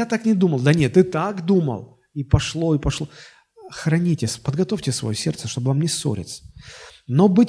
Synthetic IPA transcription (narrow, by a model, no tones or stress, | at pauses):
at̪aknʲɪd̪uməlˠd̪ɐnʲet̪ːɨt̪akd̪umə̰lˠ | ipɐʂlˠo̞ipɐʂlˠo | xɾɐnʲitʲɪsʲpəd̪̚ɡɐt̪ofʲtʲɪsvɐ̰josʲe̞̰rt̪səʂt̪o̞bɨvamnʲeso̞̰ɾʲɪ̰t̪sə̥no̞bɨ